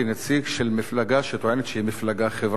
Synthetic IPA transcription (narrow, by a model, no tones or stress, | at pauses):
inat͡siɡʃelmiflaɡaʃet̪oʕenet̪ʃehimiflaɡaχevʁ